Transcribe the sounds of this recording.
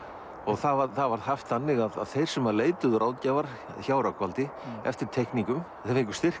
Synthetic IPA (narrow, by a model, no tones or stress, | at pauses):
ɔɣθavaθavaɾhaft̪θanːɪɣaða̰ðθejɾ̥sɛmaleːjt̪ʏðʏɾʔaːwcavaɾ̥ | çaːwɾakvalt̪ɪɛ̰ft̪ɪɾ̥t̪ʰɛhkniŋkʏm | ɛɾɪ̃ŋkʏ̥ɾst̪ɪr̥